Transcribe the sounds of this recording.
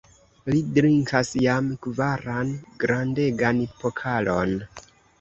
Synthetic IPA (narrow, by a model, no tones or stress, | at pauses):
lidɾiŋkasjamkvaɾanɡɾande̞ɡanpokʰalo̞̰n